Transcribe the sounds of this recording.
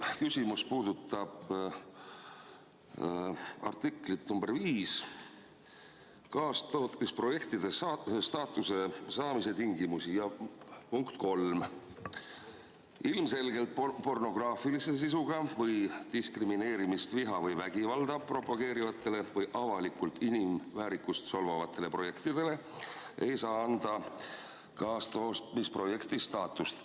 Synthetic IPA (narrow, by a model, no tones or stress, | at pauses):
kysʲimuspuːd̪̥ut̪ːˑɑb̥ | ɑ̰rt̪ikˑlit̪numb̥e̞rviːs | kɑːst̪oːt̪ːispro̞je̞kt̪id̪e̞ssɑːt̪ːˑuse̞sɑːmise̞t̪iŋɡimusijɑpuŋkt̪ko̞lm | ilmse̞lɡe̞lt̪̚po̞rno̞ɡ̥rɑːfilise̞s̬is̬uɡ̥ɑvɤjd̪̥iskrimine̞ːɾimist̪viɦɑvɤjvæɡ̥ivɑld̪ɑpro̞pːˑɑɡ̥e̞ːɾivɑt̪ːˑe̞le̞vɤjʔɑvɑlikult̪inimːæːɾikust̪so̞lvɑvɑt̪ːˑe̞le̞pro̞je̞kt̪id̪̥e̞le̞ | e̞jsɑːɑnd̪̥ɑ | kɑːst̪o̞ːst̪mispro̞je̞kt̪ist̪ɑːt̪ːˑust̪